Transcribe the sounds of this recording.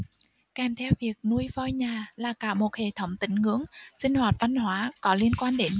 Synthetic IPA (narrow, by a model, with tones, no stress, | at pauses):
kɛ˨˩mt̪ʰɛ˧wvi˨˩ək̚nu˧əjfɔ˧jɲaː˨˩laː˨˩kaː˧˩mo˨˩t̚hḛ˧˩˨t̪ʰə˨˦wŋ͡mt̪ï˨˦ŋ̟ŋɨ̰˧˥əŋsï˧ŋ̟hwaː˨˩t̚va˧nɦwaː˨˦kɔ˨˦li˧ənkwaː˧nɗe˨˦n